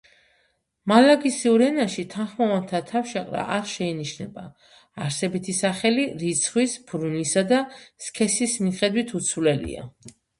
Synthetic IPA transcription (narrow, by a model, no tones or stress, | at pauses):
malaɡisiuɾɛnaʃit̪ʰanχmɔvant̪ʰat̪ʰafʃaqʼɾa̰ʔaɾʃɛiniʃnɛba̰ː | ɾsɛbit̪ʰisaχɛliɾit̪sʰχwispʰɾunisad̪askʰɛsismiχɛd̪wit̪ʰut̪sʰwlɛlḭa̰